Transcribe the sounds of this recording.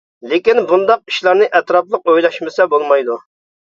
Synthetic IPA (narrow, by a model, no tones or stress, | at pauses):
lekʲinbund̪ɑq̚i̥ʃlˠɑɾnɨʔɛt̪ɾɑplˠəq̚ojlˠɑʃmɪsɛbolˠmɑjd̪u